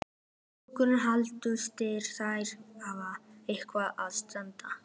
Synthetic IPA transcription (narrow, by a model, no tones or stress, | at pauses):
kʏɾʏnɦalt̪ʏst̪ɪɾ̥θajɾavaehkvaʔaðst̪ɛnt̪a